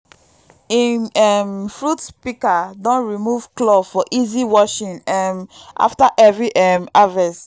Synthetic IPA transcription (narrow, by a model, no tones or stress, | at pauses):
ĩɛmfɹutpikadɔ̃nɹimuvklɔfɔʔiziwɔʃĩnɛmʔa̰ftaʔɛvɹiʔɛmavɛs